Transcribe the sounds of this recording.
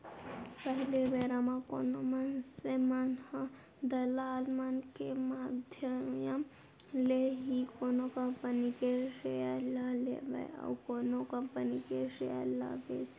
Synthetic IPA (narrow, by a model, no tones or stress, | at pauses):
pəɦilebeɾamakonomənsemənhə | d̪əlalmankemad̪ʱjəmjəm | leɦikonokəmpənikeseəlalḛba̰ja̰wkonokəmpənikesejə̰la̰bḛt͡ʃʰ